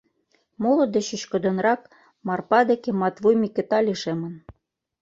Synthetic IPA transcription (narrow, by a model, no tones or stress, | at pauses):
molɤ̆d̪ɘ̆ɕɘ̆ɕkɤ̆d̪ɤ̆nrɑk | mɑrpɑd̪ĕkĕmɑt̪vujmʲikʲĕt̪ɑlʲiʃemɤ̆n